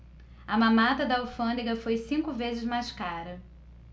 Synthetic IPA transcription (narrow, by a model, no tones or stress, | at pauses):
ɐmɐ̃mat̪ɐd̪ɐawfɐ̃nd̪iɡɐfojsĩŋkʊvezɪzmajskaɾɐ